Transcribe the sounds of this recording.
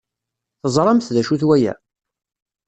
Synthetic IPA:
θəzˤɾˤɑmθðæʃuθwæjæ̰

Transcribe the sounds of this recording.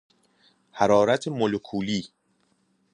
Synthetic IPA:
hæɾɒːɾæt̪ʰemolokʰuːliː

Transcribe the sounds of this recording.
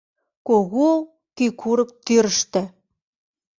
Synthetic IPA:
koɣo | kykʰuɾɤ̆k̚t̪yɾəʃt̪ɘ̆

